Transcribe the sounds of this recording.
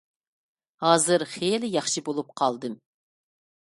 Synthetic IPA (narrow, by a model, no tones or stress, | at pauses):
hɑːzɨɾχeːlɪjɑχʃɨbolˠup̚qʰɑlˠd̪ɨm